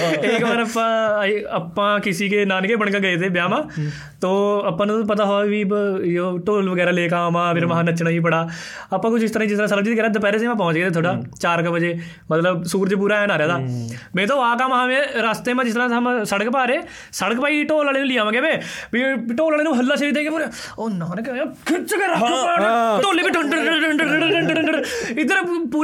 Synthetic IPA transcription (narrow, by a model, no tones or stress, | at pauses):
eːkbaːɾəpːãːəpːãːkɪsiːkeːnaːnkeːbəɳkəɡəeːt̪eːbjaːmãː | t̪oːəpːãːnũpət̪aːɦoaʋiːbjoːʈoːlʋəɡɛːɾaːleːkaːmãːpʰɪɾməɦaːnət͡ʃɽaːiːp̬əɽaː | əpːãːkʊt͡ʃʰɪst̪əɾaːĩd͡ʒɪst̪ɾaːsəɾəb̚d͡ʒiːt̪ːkɛːɾaːd̪əp̬ɛːɾeːsẽːmãːpɔ̃ːɲt͡ʃɡeːt̪eːt̪ʰoːɽaːt͡ʃaːɾkabəd͡ʒeː | mət̪ləbsuːɾd͡ʒːp̬uːɾaːɛːnaːɾejaːd̪aːmɛ̃ːt̪̬õːaːkãːmãːmẽːɾaːst̪eːmãːd͡ʒɪst̪əɾãːamsəɽəkpaːɾeː | səɽəkpaːiːʈoːlaːleːnũːlɪjãːʋãːɡɛːʋẽːmĩːʈoːlaːleːnuːɦəlːaːʃəiːt̪ẽːɡeuːɾe | onːãːoːnẽːkːkʰɪt͡ʃɡəɾa | ʈoːleːbiːʈʰəɳɖəɳəʈʰəɳəəɳəɳʈəɳɖəɪd̪əɾpuː